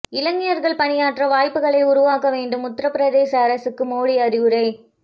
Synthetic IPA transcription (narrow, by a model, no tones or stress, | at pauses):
ɪlɐŋɡɪjɐɾɣɐɭpɐɳɪjaːʈrɐʋaːjpːɯɣɐɭɐɪʊɾʊʋaːkɐʋeːɳɖɯmʊt̪ːɾɐpɪɾɐðeːsɐːɾɐsɯkːɯmoːɽiɐɾɪʋɯɾɐɪ